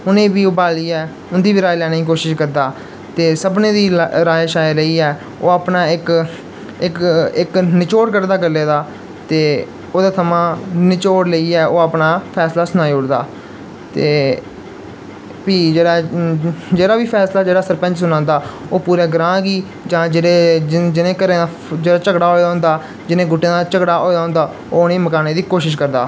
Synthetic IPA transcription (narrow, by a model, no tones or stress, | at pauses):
ʊnẽːbiːoːbaːliːɛː | ʊnd̪iːʋiɾaːiːlɛːnːikoːʃɪʃkəɾd̪aː | t̪eːsəbnẽːd̪iːɾaːeʃaːjələiːɛː | oːaːpnaːɪk | ɪkɪknɪt͡ʃoːɾkəɾd̪aːɡəlːeːd̪aː | t̪eː | oːd̪aːt̪ʰəmãːnɪt͡ʃoːɽləiːɛːoːaːpnaːpʰɛːslaːsʊnaːiʊɽd̪a̰ː | t̪eː | piːd͡ʒeːɽaː | d͡ʒeːɽaːʋiːpʰɛːslaːd͡ʒeːɽaːsəɾpə̃ɲd͡ʒsʊnãːnd̪aːoːpuːɾeːɡɾãːɡiː | d͡ʒãːd͡ʒeed͡ʒɪnẽːkəɾẽːd̪aː | d͡ʒeːɽaːt͡ʃəɡɽaːɦoːjːɦʊ̃ːnd̪aː | d͡ʒɪnẽːɡʊʈːjãːd̪aːt͡ʃəkɽaːʔoːjaːɦõːnd̪aː | oːneːməkaːneːd̪iːkoːʃɪʃkəɾd̪a̰ː